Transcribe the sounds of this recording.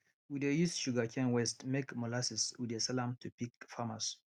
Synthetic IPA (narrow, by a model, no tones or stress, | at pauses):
widejusʃuɡakʰɛ̃nwɛstmekmɔlasiswidesɛlãmtʰupikfamas